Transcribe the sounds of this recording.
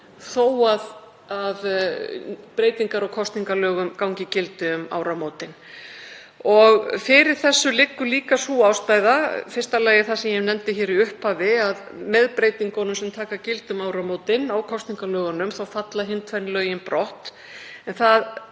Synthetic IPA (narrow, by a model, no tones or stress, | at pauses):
θoːwað | að | pɾeːjt̪iŋkaɾɔwkʰɔst̪niŋkalœːɣʏmkawŋcɪcɪlt̪ʏʏma̰ːwɾamoːwt̪ɪn | ɔɣfɪɾɪɾ̥θɛsːʏlɪkːʏliːkasuaːwspaːjðafɪr̥st̪alɛːjɪθasɛmjɛnɛmt̪ɪçɛːɾiʏhpaːvɪað | mɛðpɾeːjt̪iŋkɔnʏmsɛmt̪ʰaːkacɪlt̪ʏmaːwɾamoːwt̪ɪnawkʰɔst̪niŋkalœːɣanʏmθawfat̪laɦɪnt̪ʰfanlœːɥjɪnpɾɔht̪ | ɛnθað